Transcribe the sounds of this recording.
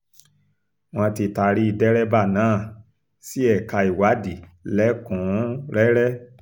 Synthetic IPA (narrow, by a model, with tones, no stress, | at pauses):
w̃ɔ̃˧ti˧ta˧ɾi˦i˧dɛ˦ɾɛ˦ba˦˨nãː˨˦˨ | si˦ɛ˦˨ka˧i˨wa˨˦di˨lɛ˦kɔ̃˨˦ɾɛ˦ɾɛ˦